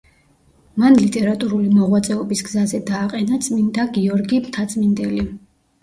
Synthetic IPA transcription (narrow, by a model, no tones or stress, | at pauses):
manlit̪ʼɛɾat̪ʼuɾulimɔʁwat̪sʼɛɔbisɡzazɛd̪aːqʼɛnat̪sʼmind̪aɡiɔɾɡimt̪ʰat̪sʼmind̪ɛli